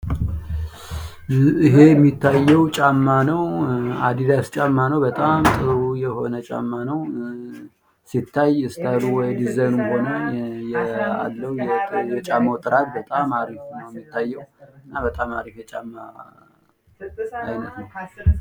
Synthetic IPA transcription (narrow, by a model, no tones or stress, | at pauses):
iɦe̞ɛmːit̪ʰːajːɛwt͡ʃʼamːanəwa̰d̪id̪ast͡ʃʼamːanəwbət̪ʼamt̪ʼɨujɛho̞nət͡ʃʼa̰mːanəw | sit̪ʰːajɨst̪ʰəɾuwɔjd̪izənɨnho̞nəjɛa̰lːəwjɛjɛt͡ʃʼamːəwt̪ʼɨɾat̪̚bət̪ʼamaɾifnəwjɛmːit̪ʰːajːɛwɨnːabət̪ʼamaɾifjɛt͡ʃʼamːa | ajnət̪nəw